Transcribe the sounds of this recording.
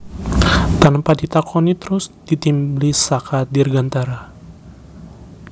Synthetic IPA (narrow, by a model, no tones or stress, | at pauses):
t̪anpadit̪akʰɔnit̪əɾʊsd̥it̪imblisakadirɡant̪aɾa